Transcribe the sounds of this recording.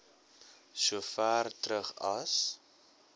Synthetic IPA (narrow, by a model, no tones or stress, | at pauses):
suəfæːrtɾəχɐ̰s